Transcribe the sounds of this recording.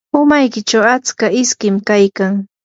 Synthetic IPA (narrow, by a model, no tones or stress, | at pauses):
ʊmajkɪt͡ʃawat͡skaɪskɪmkajkaŋ